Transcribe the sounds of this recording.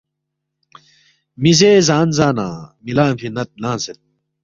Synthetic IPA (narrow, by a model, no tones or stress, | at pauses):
mizeːzaːnzaːna̰ːmilaːnfinɐt̪̚naːnset̪̚